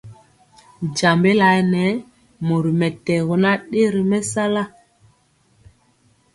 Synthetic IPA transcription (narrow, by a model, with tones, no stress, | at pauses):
d͡ʒa˨mbe˦la˨jnɛ˨˦ | mo˨ɾi˨mɛ˨tɛ˨ɣo˨na˦ɗe˦ɾi˨mɛ˦sa˦la˦